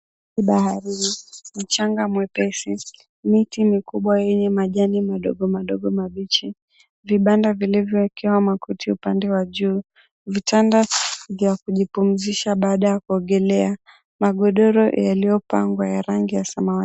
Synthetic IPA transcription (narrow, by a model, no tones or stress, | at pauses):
iɓahaɾim̩t͡ʃaŋɡamwɛpɛsi | mitimikuɓwajɛɲɛmaʄanimaɗɔɡɔmaɗɔɠɔmaɓit͡ʃi | viɓandavilivjɔwɛkɛwamakutʰiupandɛwaʄuː | vitandavjakuʄipum̩ziʃaɓaːɗajakuɔɡɛlɛa | maɠɔɗɔɾɔjalijɔpaŋɡwajaɾaŋɡijasama